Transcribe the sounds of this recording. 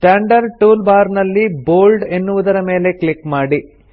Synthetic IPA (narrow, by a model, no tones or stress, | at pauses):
ʈaːɳɖɐɾʈuːlbaːɾnɐlːiboːlɖe̞nːuʋud̪ɐɾɐme̞ːle̞klikmaːɽi